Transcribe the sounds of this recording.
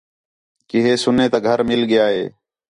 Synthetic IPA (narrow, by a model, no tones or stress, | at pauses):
kɪɦeːsʊneːt̪aːɡʱəɾmɪlɠɪjaːɦḛː